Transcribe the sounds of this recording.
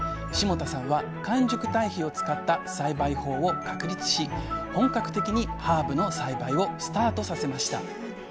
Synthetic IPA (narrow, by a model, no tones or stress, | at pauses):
ɕimo̞t̪asãɰ̃βa | kãɲ̟d͡ʑokɯ̟̥t̪aiçio̞t͡sɨ̥kat̪ːasaibaiho̞ːo̞kakɯ̟ɾʲit͡sɨ̥ɕihõ̞ŋkakɯ̟̥t̪e̞kʲiɲ̟ihaːbɯ̟no̞saibaio̞sɨ̥t̪aːt̪o̞sase̞maɕi̥t̪a̰